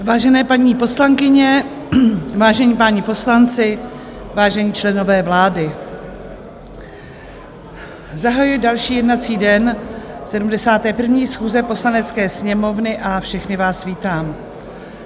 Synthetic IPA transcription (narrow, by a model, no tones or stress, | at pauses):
vaːʒɛnɛːpaɲiːpo̞slaŋkɪɲɛ | vaːʒɛɲiːpaɲipo̞slant͡sɪ | vaːʒɛɲiːt͡ʃlɛno̞vɛːvlaːdɪ | zaɦajʊjdalʃiːjɛdnat͡siːdɛnsɛdumdɛsaːt̪ɛːpr̩vɲiːsxuːzɛpo̞slanɛt͡skɛːsɲɛmo̞vnɪʔafʃɛxnɪvaːsviːt̪aːm